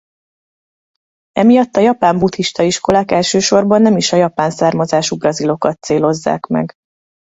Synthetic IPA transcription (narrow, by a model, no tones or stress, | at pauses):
ɛmijɒt̪ːɒjɒpaːmbut̪iʃt̪ɒiʃko̞laːkɛlʃøːʃo̞rbɒnːɛmiʃɒjɒpaːnsaːrmɒzaːʃubrɒzilo̞kɒt̪seːlo̞zːa̰ːkmɛ̰ɡ